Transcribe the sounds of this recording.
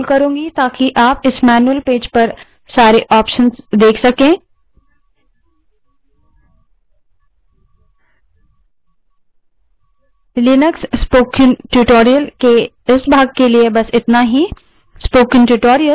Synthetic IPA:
lkɐɾũːŋɡit̪aːkiʔaːpɪsmɛːnuəlpeːd͡ʒpɐɾ | saːɾeʔɔːpʃənzd̪eːkʰsɐkẽː | lɪnəksspoːkɪ̃ŋʈuʈoːɾijəlke | ɪsbʱaːɡ̚keliebɐsɪt̪naɦi | spoːkɪ̃ŋʈuʈoːɾijə

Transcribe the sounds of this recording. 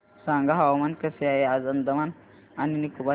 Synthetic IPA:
saŋɡaɦawamankəseajead͡zənd̪əman | aninikuba

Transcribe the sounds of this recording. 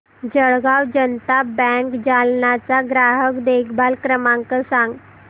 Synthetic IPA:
d͡ʑəɭɡawd͡ʑənt̪abɛ̃ŋkd͡ʑalnat͡saɡɾaɦəkd̪ekʰbalkɾəmãŋkəsãŋɡ

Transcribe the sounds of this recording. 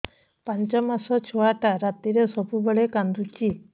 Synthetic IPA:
paɲt͡ʃɔmasɔt͡ʃʰuaʈaɾat̪iɾesɔpubɔɭekand̪ut͡ʃi

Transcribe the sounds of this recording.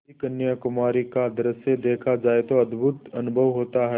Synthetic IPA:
ikɐnjakʊmaːɾikad̪ɾəsed̪eːkʰad͡ʒaːet̪oɐd̪bʱʊt̪ɐnʊbʱəʋɦoːt̪aɦɛ

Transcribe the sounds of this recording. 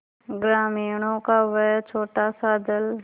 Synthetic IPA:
ɡɾaːmijnõkaʋɛt͡ʃʰoːʈasad̪ɪl

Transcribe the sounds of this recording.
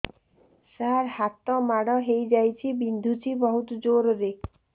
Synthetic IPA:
saɾhat̪ɔmaɽɔɦejd͡ʒajt͡ʃʰibind̪ʱut͡ʃʰibɔɦut̪ɔd͡ʒoɾɔɾe

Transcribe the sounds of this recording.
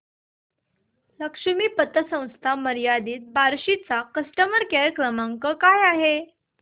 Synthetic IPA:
ləkʂəmiːpət̪əsə̃w̃st̪ʰaməɾijad̪iːt̪̚baɾɕit͡sakəsʈəməɾkɛɾjəkɾəmaŋkəkajaɦe

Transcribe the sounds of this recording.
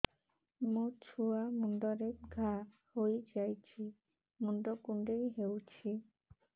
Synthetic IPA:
mot͡ʃʰuamuɳɖɔɾeɾɡʱa | hojd͡ʒajt͡ɕʰi | muɳɖɔkuɳɖejɦewt͡ɕʰi

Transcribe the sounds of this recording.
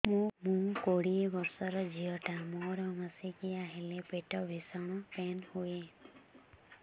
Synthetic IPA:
mũmũkoɽiebɔɾsɔɾɔd͡ʒiɔʈamoɾɔmasikiaɦilepeʈɔbʱisɔɽ̃ɔpɛnhuje

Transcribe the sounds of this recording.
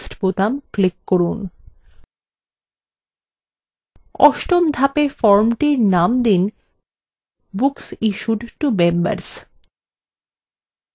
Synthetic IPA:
sʈpot̪amklikːoɾun | ɔ̰ʃʈomd̪ʱapefɔɾmʈiɾnamd̪in | buksiʃuɖʈubemba̰ɾs

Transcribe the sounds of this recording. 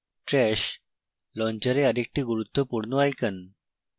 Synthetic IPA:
ʈɾɛɕ | lɔɲt͡ɕəɾeəd̪ek̚ʈiːɡuɾut̪ʰːəpuɽnuajkən

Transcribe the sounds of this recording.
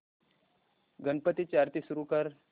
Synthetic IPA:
ɡənpət̪it͡ɕaɾt̪isuɾukəɾ

